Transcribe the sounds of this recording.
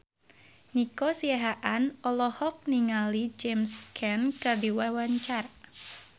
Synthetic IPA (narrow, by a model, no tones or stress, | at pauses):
nikɔsiaɦaʔanɔlɔhɔk̚niŋalid͡ʒemskʰɛnkɨrdiwawaɲt͡ʃar